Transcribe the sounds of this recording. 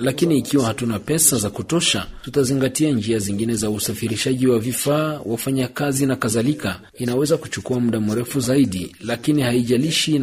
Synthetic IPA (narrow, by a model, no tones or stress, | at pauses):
lakiniːkiwahatunapɛsazakutɔʃa̰tutaziŋɡatiand͡ʒiaziŋɡinɛzausafiɾiʃaʄiwavifaːwʔafaɲakazinakaðalika | inawɛzakut͡ʃukuamuɗam̩ɾɛfuzaiɗilakinihaiʄaliʃi